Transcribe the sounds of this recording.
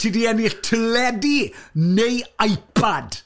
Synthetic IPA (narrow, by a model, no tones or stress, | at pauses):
tʰidiɛniɬtʰəlɛdinejajpʰad̥